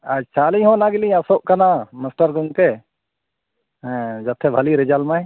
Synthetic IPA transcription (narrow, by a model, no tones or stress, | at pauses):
ad͡ʒt͡ʃʰaliɦɔ̃naɡilĩasɔʔkanaməsʈəɾɡɔŋkɛ | d͡ʒɐt̪ʰːɛbʱaliɾɛd͡ʒalmaj